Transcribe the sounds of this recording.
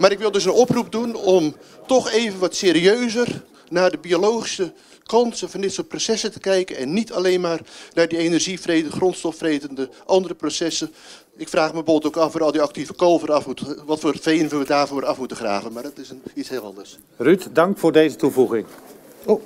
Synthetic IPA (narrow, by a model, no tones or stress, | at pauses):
maːɾɪkʋɪlˠdɵsənɔprup̚dunɔmtɔχeːvənʋɑtseːɾiøɥzər | naːdəbiolowχi̥sə | kɑnsənvɑndɪtsoːt̚prosɛsətəkɛjkənɛnːitʰalejnmaːrnaːdienərʒifreːtəχrɔntstɔfrejtəndəʔɑndərəprosɛsə | ɪkfraːχməbolˠtowkɑfʋɔɾɔlˠdiɑk̚tivəkoːvərɑfmutəʋɑtfoːrfejnʋɪlˠʋədaːrvoːɾʔɑfmutəχra̰ːvənmadɔtɪsənitsɦɪːlˠɑ̰ndərs | rytdɑŋkfʊːɹdejzətuvuɣɪŋ